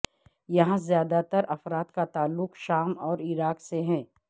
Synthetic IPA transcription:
jɐɦãzjaːd̪at̪əɾʔɐfɾaːt̪kat̪aːlːʊkʃaːmɔːɾɪɾaːkseɦɛ̃ː

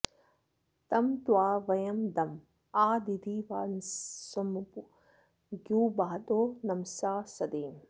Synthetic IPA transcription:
t̪ɐmt̪waːʋɐjɐmd̪ɐm | aːd̪id̪iːʋaːnsɐmupu | ɡjuːbaːɐt̪oːnɐmsaːsɐd̪iːm

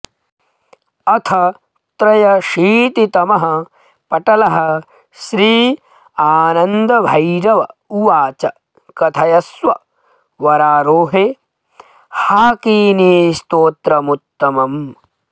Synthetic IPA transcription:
ɐt̪ʰɐ | t̪ɾɐjɐʃiːt̪it̪ɐmɐɦɐ | pɐʈɐlɐɦɐ | ʃɾiː | aːnɐnd̪ɐbʱɐjɾɐʋɐuʋaːt͡ʃɐ | kɐt̪ʰɐjɐsʋɐ | ʋɐɾaːɾoːɦeː | haːkiːniːst̪oːt̪ɾɐmut̪ːɐmɐm

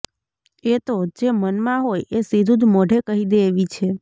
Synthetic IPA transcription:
et̪od͡ʒemənmãɦojesid̪ʱũd̪moɖʱekəɦid̪eːʋit͡ʃʰe

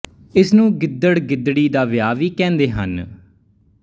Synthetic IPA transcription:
ɪsnũːɡɪd̪ːəɽɡɪd̪ɽiːd̪aːʋɪjaːʋiːkɛ̃ːnd̪eːɦə̰n

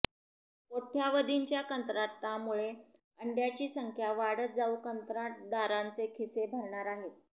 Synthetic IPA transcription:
ot̪ʰjaʋəd̪iɲt͡ɕjakənt̪ɾat̪ːamuɭe | əɳɖjat͡ɕiːsəŋkʰjaʋaɽəd͡zaukənt̪ɾad̪aɾant͡sekʰisebʱəɾɳaɾaɦet̪

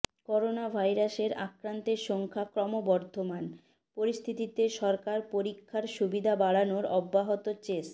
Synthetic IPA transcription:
kɔɾonabʱajɾaʃeɾa̰kɾant̪eɾʃɔŋkʰakɾɔmobɔɾd̪ʱoman | poɾist̪ʰit̪it̪eʃɔɾkaɾpoɾikʰːaɾʃubid̪ʱabaɽanoɾɔbːaɦot̪ot͡ɕes

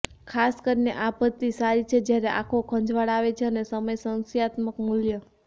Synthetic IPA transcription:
kʰaskəɾineʔapət̪ːisaɾit͡ʃʰed͡ʒjaɾeʔakʰokʰə̃ɲd͡ʒʋaɽaʋet͡ʃʰeənesəməjsənsijat̪məkmuljə

